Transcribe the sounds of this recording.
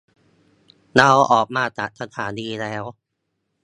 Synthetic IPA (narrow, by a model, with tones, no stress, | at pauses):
na˧wʔɔː˨˩k̚maː˧˩t̪a˨˩ʔ̚sʰa˧t̪ʰaː˩˦niː˧lɛː˦˥w